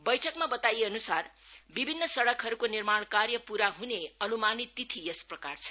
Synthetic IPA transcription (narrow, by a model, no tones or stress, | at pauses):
bʌjʈʰʌkmabʌt̪ajeʌnusarbibʱinːʌsʌɽʌkʰɦʌɾukonirmaɳ̃karjʌpuɾaɦuneʌnumanit̪ːit̪ʰiesprʌkart͡sʰʌ̥